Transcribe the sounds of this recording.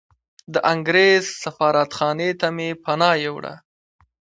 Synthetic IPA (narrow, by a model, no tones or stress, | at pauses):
d̪əʔaŋɡɾezsafɑːɾat̪xɑnet̪amepanɑjewɽa̰